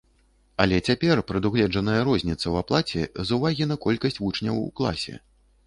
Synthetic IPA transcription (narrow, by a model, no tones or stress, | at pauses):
ɐlʲɛt͡sʲapʲɛrpɾɨd̪uɣlʲɛd͡ʐɐnɐjɐɾɔzʲnʲit̪sːɐwaplˠat͡sʲɛ̰zuvaɣʲin̪ɐkɔlʲkɐsʲt͡sʲvut͡ʂnʲɐ̰wṵklˠa̰sʲɛ̰